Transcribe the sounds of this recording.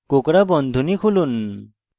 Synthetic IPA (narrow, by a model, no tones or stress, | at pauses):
kokɾabɔnd̪ʱunikʰulun